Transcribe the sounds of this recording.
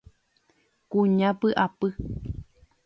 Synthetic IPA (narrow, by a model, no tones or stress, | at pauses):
kuɲãpɨʔapɨ